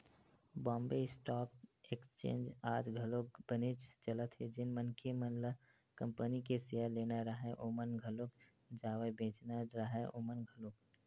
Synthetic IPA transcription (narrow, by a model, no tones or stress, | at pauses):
bɔ̃ːmbeɪsʈɔːp̚ekst͡ʃḛ̃ːnd͡ʒaːd͡ʒɡʱɐlok̚b̥ənet͡ʃt͡ʃɐlət̪ɦed͡ʒɪnmənkʰemənlə | kə̃mpənikesɪjaleːnaɾəɦɛʔoːmənɡʱəlok | d͡ʒaːʋebẽːt͡ʃnaɾəɦɛʔoːmənɡʱəlok